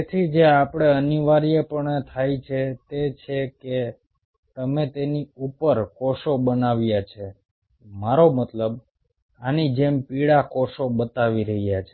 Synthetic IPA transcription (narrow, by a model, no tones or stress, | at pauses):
et̪ʰid͡ʒeapɽ̃eəniʋaɾijepəɳt̪ʰajt͡ʃʰet̪et͡ʃʰeke | t̪əmet̪eniupəɾkɔʃobənaʋjat͡ʃʰe | maɾomət̪ləb | anid͡ʒempiɽakɔʃobət̪aʋiɾəɦijat͡ʃʰe